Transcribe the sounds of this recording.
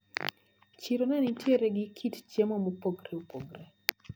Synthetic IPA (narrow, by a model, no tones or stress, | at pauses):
t͡ʃiɾonɛnitjeɾeɡɪkʰitt͡ʃemomopoɡɾeupoɡɾe